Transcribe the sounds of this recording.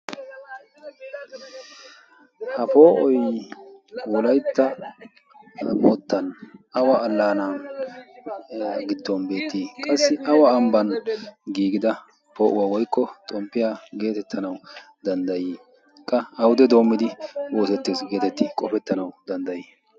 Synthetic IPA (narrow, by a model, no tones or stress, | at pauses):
hɐpo̞ːʔɔj | wɔlɐjt̪ːɐ | mɔt̪ːɐnʔɐwaːlːaːnaː | ɡɪd̪ːɔnbe̞ːt̪ːiːkʼɐsːɪʔɐwaːmbɐnɡiːɡɪd̪ɐ | pʰo̞ːʔʊwawɔjkːɔt̪ʼɔmpːɪjaːɡe̞ːt̪ɛt̪ʰːɐnɐw | d̪ɐnd̪ɐjiː | kʼːɐɐwʊd̪ɛd̪o̞ːmːɪd̪ɪwoːsɛt̪ːesɡe̞ːt̪ɛt̪ːɪkʼɔfɛt̪ːɐnɐwd̪ɐnd̪ɐjiː